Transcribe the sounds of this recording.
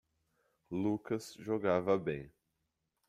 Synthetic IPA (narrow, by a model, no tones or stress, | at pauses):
lukɐsʒoɡavɐbẽj̃